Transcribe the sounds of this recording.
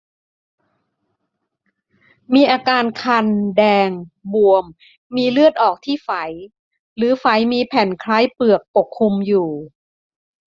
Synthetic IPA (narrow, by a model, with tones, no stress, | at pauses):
miː˧ʔaː˧kaː˧nkʰa˧ndɛː˧ŋbu˧˩əmː | iː˧lɯ˥˩ət̪̚ʔɔː˨˩k̚t̪ʰiː˥˩fa˩˦j | ɾɯː˩˦fa˨˩˦jmiː˧pʰɛ˨˩˦nkʰlaː˦˥jpɯ˨˩ək̚po˨˩kʰːu˧mjuː˨˩